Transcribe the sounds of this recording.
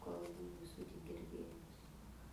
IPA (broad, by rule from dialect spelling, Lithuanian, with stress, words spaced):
kɐlˠˈbuː ʋʲɪ ˈsuː tʲɪk ɡʲɪrʲˈdʲeːjʊs